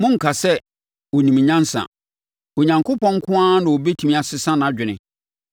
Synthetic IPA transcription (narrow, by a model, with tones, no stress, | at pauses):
mʊ̃˦ŋ̩˨kʰa˨sɛ˦ | wɔ˨nĩ˨m˨ɲã˦n˦sã̰˨ | o˨ɲã˨ŋkʰo˦pʰɔ̃˦ŋ̩˦kʰʊ̃˦a˦nʊ̃˨wo˨be˦tʰi˨mĩ˦a˨sɪ˦sã˦ñ˨ã˨d͡ʑᶣɪ˨nɪ̰̃˨